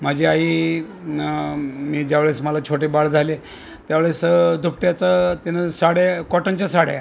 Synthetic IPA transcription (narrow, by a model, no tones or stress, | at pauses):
m̤ad͡ʑeaɦiː | miːd͡ʑjaʋɭesməlat͡ɕʰoʈebaɽd͡zʱale | t̪jaʋɭesd̪ʱup̚ʈjat͡sat̪inasaɽakɔʈaɲt͡ɕasaɽja̰